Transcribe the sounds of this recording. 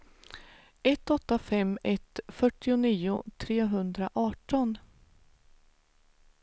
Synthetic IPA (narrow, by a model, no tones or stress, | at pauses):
ɛt̪ːɔt̪ːafɛmːɛt̪fœʈːɪʊniːʊt̪ʰɾeːɦɵnd̪ɾaʔɑːʈɔn